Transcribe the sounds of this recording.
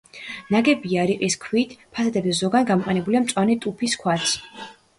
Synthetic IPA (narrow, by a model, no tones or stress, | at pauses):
naɡɛbiaɾiqʼiskʰwit̪ʰpʰasad̪ɛbzɛzɔɡanɡamɔqʼɛnɛbuliamt̪sʼwanit̪ʼupʰiskʰwat̪sʰ